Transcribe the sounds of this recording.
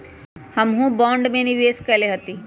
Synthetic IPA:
həmɦũbɔ̃ːɳɖmẽniʋeːskəleɦət̪i

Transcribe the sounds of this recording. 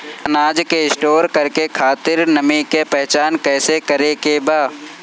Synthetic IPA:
ɐnaːd͡ʒkeɪsʈoːɾkɐɾkekʰaːt̪ɪɾnəmikepɛɦt͡ʃaːnkɛːsekɐɾekebaː

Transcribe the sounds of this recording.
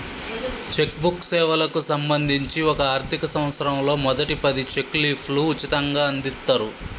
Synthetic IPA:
t͡ʃe̞k̚buksɛːʋɐlɐkusɐmbɐnd̪ʱiɲt͡ʃiɔkɐaːɾt̪ʰikɐsɐ̃m̃ʋɐt̪sɐɾɐmlo̞ːmɔd̪ɐʈipɐd̪it͡ʃe̞kliːpʰluːt͡ʃːit̪ɐŋɡaːɐnd̪it̪ːaːɾu

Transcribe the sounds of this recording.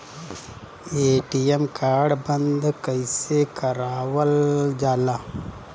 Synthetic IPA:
eːʈijemkaːɾɖbɐnd̪kəjsekɐɾaːʋəld͡ʒaːlaː

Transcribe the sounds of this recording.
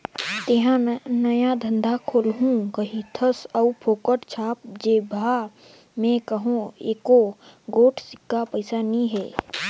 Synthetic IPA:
t̪eɦãnɐjad̪ʱə̃nd̪ʱakʰoːlɦũkɐɦĩt̪ʰəsəupʰoːkəʈt͡ʃʰaːp̚d͡ʒeːbʱaː | mẽkɐɦũeːkoɡoːʈʰsɪ̥kːapɐɪsanĩɦɛ̰ː

